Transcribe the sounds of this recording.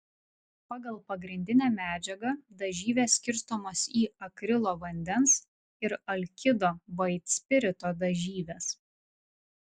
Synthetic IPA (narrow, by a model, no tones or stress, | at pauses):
pɑːɡɐlˠpɐɡɾʲɪnʲd̪ʲɪnʲæːmʲæːd͡ʒʲɛɡɐd̪ɐʒʲiːʋʲeːsʲkʲɪɾst̪omoːsiːɐkɾʲɪlˠoːʋɐnʲd̪ʲɛns | ɪɾɐlʲkʲɪd̪oːʋɐɪt̪ʲsʲpʲɪɾʲɪt̪oːd̪ɐʒʲiːʋʲeːs